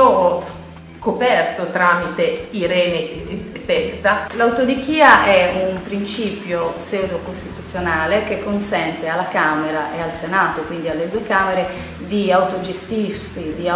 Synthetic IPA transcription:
ɔs | kopɛrt̪ot̪ɾamit̪eiɾɛːnet̪ɛst̪alawt̪od̪ikiːaʔɛumpɾint͡ʃiːpjosɛud̪okost̪it̪ut̪sːjonaːlekekːonsɛnt̪ealːakaːmeɾaʔealsenaːt̪okwind̪ialːed̪uekaːmeɾe | d̪iawt̪od͡ʒest̪irsid̪ia

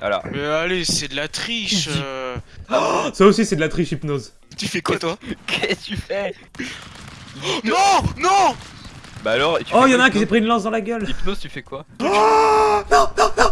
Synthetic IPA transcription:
a̰lɔ̰ʁmɛalesɛd̪əlat̪χiʃ | saosisɛd̪əlat̪χiʃipnoz | t̪yfɛkwat̪wakʰɛt̪yfɛ | nɔ̃nɔ̃ | baːlɔʁt̪yɔjɑ̃aɛ̃kitepχiːnlɑ̃sd̪ɑ̃laɡʲœlipnozt̪yfɛkwa | nɔ̃nɔ̃nɔ̃

